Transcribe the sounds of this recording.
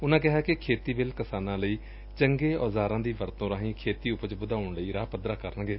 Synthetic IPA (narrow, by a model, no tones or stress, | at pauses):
ʊnãːkɪɦaːkɪkʰeːt̪iːbɪlkəsaːnãːləiː | t͡ʃəŋɡeːɔːzaːɾãːd̪iːʋəɾt̪õːɾaːɦĩːkʰeːt̪iːʊpət͡ʃbʊd̪aːʊɳləiːɾaːpəd̪ɾaːkəɾənɡeː